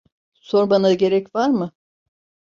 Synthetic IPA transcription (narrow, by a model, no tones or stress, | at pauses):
so̞ɾbanaɟe̞ɾɛcvaɾmɯ